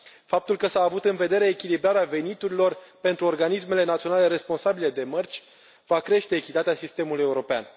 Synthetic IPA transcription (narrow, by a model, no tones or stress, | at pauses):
fap̚t̪ulkəsaːvut̪ɨnve̞d̪e̞ɾe̞ːkʲilibɾaɾeave̞nit̪uɾilo̞rpe̞nt̪ɾuorɡanisme̞le̞nat̪sio̞nale̞ɾe̞spo̞nsabile̞d̪e̞mərt͡ʃʲ | vakɾe̞ʃt̪e̞ːkʲit̪at̪easist̪e̞muluje̞uɾo̞pea̰n